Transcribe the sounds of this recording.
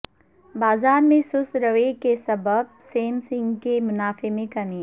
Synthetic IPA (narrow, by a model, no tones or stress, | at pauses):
baːzaːɾmẽsʊsɾɐʋekesɐbəb̚seːmsɪ̃ŋɡkemʊnaːfemẽkɐmiː